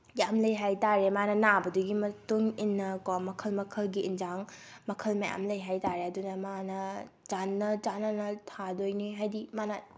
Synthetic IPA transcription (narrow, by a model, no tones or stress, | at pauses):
jamlɐjɦajtaɾemanɐnabɐduɡimɐtuŋinːɐkamɐkʰɐlmɐkʰɐlɡiːnd͡ʒaŋ | mɐkʰɐlmɐja̰mlɐjɦajtaɾeɐdunɐmanɐ | d͡ʒanːɐd͡ʒanɐnɐtʰadojniɦajdimanɐ